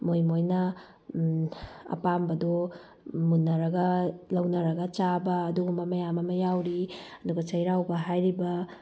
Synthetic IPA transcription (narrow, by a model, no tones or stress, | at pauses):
mojmojnɐ | ɐ̰pambɐdɔ | munːɐɾɐɡɐlɐwnɐɾɐɡɐt͡ʃabɐːduɡumbɐmɐjamɐmɐjawɾiɐduɡɐt͡ʃɐjɾawbɐɦajɾibɐ